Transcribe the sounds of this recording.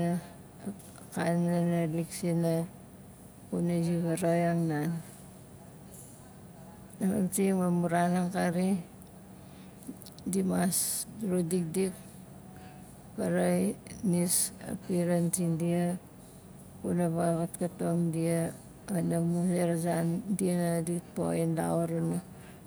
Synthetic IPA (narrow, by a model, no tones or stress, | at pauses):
kananaliksina | kunad͡ʒiɡaɾojaŋnan | nama̰ntiŋmamuɾanaŋkaɾi | dimasɾudik̚dik̚ | paɾajnisa̰piɾantindia | kunaβakatkatoŋdia | anamuseɾasandianadito̰inda̰oɾuna